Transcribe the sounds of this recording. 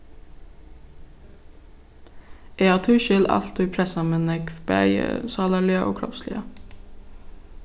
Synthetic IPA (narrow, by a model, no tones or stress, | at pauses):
eːɑːʁt̪ʰʉːʃʏlɑ̰lt̪ʉːpʰɾɛsɑmɛnɛkb̥əœ̰ʏə̰sɑːləlɪəʔo̰ːkʰɾɔ̰pslɪ̰ə